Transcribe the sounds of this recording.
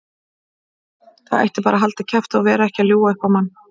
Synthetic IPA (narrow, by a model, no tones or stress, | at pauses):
θaðḛjht̪ɪpaːɾaɦalt̪acʰɛft̪aavɛːɾaɛhcɪaljuːwaʏhkvawmanː